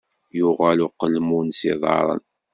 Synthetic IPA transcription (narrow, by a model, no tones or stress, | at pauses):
jʊʁælʊqːəlmunsiðˤɑ̰ɾˤə̰n